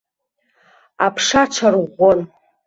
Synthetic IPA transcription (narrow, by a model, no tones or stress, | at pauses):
apʰʂaʈ͡ʂʰarʁʷon